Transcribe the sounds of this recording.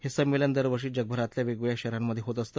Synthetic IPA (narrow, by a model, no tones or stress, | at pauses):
hesəmːeljand̪əɾʋəɾʂiːd͡ʑəɡ̚bʱəɾat̪ljaʋeɡʋəjaɕɛɾamːəd̪ʱːjeɦot̪əst̪ə